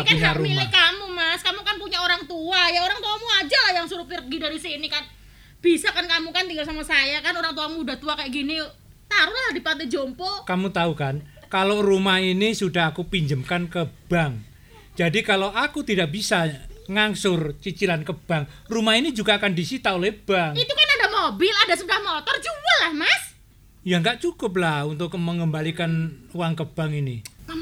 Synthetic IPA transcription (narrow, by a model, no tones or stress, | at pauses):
apiɲaumlakamumaskamukanpuɲaoɾaŋt̪uajaoɾaŋt̪uamuad͡ʒalahjaŋsuɾupɪr̚ɡidaɾisinikan | b̥isakankamukant̪iŋɡalsamasajakanoɾaŋt̪̬uamudaht̪uakajaʔɡini | t̪aɾʊlahdipant̪ɛd͡ʒɔmpɔkamut̪aukan | kalorumahinisudaɦakupiɲd͡ʒəmkankəb̥aŋ | d͡ʒadikaloʔakut̪idak̚bisaŋaŋsʊrt͡ʃit͡ʃilankəb̥aŋ | rumainid͡ʒuɡaːkandisit̪aolɛhb̥aŋit̪ukanadamobɪladasədahmɔt̪ɔrd͡ʒuwalahmas | jaŋɡaʔt͡ʃukʊp̬lahunt̪ʊkməŋəmbalikanuwaŋkəb̥aŋini